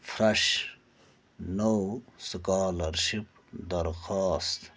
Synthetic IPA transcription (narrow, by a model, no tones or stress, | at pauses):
fɾɐʂ | nowskaːlɐɾʃip̚ | d̪ɐɾxaːst̪